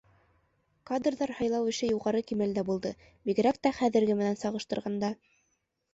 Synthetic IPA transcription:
kad̪rðɑɾhɑjlˠɑwɘ̆ʃɘjuʁɑɾɤkimæld̪æbulˠd̪ɤ | biɡɘ̆ɾæk̚t̪æχæðɘ̆ɾɡɘmɘ̆nænsɑʁɤ̆ʃt̪ɤ̆ɾʁɑnd̪ɑ

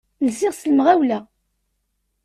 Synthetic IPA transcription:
lziʁsləmʁæwlæ

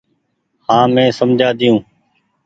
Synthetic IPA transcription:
hãːmẽːsəmd͡ʒʱaːd̪ɪjũː

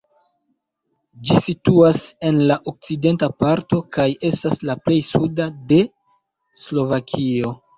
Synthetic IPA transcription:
d͡ʒisituase̞nlaʔok̚t͡side̞ntapaɾto̞kaje̞staslaple̞jsudade̞ | slo̞vakʰio̞

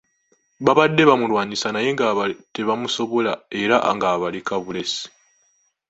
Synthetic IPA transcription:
βaβadːe̞βamulwaːɲisanaje̞ŋɡaβate̞βamuso̞βo̞lae̞ɾaŋɡaːβalikaβule̞si̥

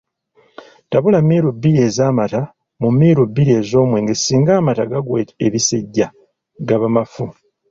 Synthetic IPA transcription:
taβulamːiːɾubːiɾe̞ːzaːmata | mumːiːɾubːiɾie̞ːzo̞ːmwe̞ːŋɡesiːŋɡaːmataɡaɡweteβiseɟːa | ɡaβamafu

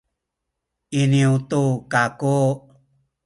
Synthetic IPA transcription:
iniut̪ukaku

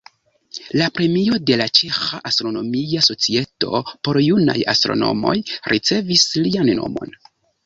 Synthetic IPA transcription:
lapɾe̞mio̞de̞lat͡ʃe̞xaʔastɾo̞no̞miaso̞t͡sie̞to̞̰po̞ɾjuna̰ja̰stɾo̞̰no̞̰mo̞jɾʔit͡se̞vislianːo̰mo̞̰n

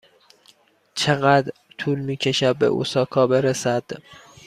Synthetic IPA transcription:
t͡ʃʰe̞ɣæd̪ɾt̪ʰuːlmiːcʰe̞ʃæd̪̚bḛʔṵsɒːkʰɒːbe̞ɾesæd̪̥

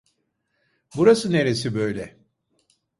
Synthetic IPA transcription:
buɾasɯne̞ɾesibø̞jlʲɛ

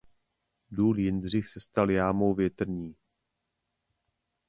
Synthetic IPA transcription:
duːljɪnd̪r̝ɪxsɛst̪aljaːmowvjɛt̪r̩ɲiː

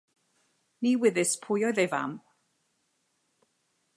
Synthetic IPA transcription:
niwɪðɪspʰʊjɔɨðejva̰m

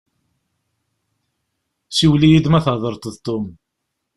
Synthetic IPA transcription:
siwlijid̪mæθəðˤəɾˤt̪ˤðt̪ːʊm

